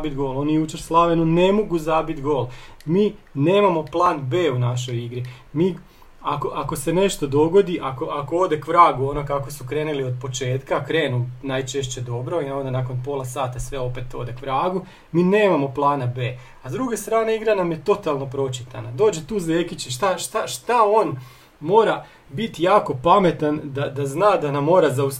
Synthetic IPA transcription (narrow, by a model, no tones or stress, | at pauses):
bit̪ɡo̞ːlo̞nijut͡ʃeɾslˠaʋenone̞mo̞ɡuzabit̪ɡo̞ːlˠmiːneːmamo̞plˠaːnbe̞ːunaʃ̬o̞jiɡɾi | miː | akoʔako̞se̞ne̞ʃt̪o̞d̪o̞ɡo̞d̪iʔako̞ʔakood̪e̞kʋɾaːɡuonokakosukɾe̞ːnulio̞d̪̚po̞t͡ʃe̞ːt̪kakɾe̞ːnunajt͡ʃeʃ̬t͡ʃe̞d̪o̞bɾo̞ineond̪anakonpo̞lˠasaːt̪asʋe̞o̞pe̞t̪o̞d̪e̞kʋɾaːɡu | miːne̞ːmamo̞plˠaːnabe̞ː | azd̪ɾuɡe̞st̪ɾaːne̞iɡɾanamje̞t̪o̞t̪alˠno̞pɾo̞t͡ʃit̪a̰nad̪o̞ːd͡ʑet̪uːzeːkit͡ɕiʃt̪aʃt̪aʃt̪ao̞ːn | mo̞ːɾa | bit̪ijaːko̞pame̞t̪and̪ad̪aznaːd̪anamːo̞ːɾazaus